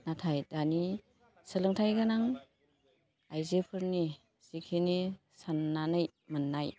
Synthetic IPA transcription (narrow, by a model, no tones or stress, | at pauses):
natʰajdani | sɯlɯŋtʰajɡanaŋ | ajzepʰɯɾni | sikʰini | sanːanɯj | manːaj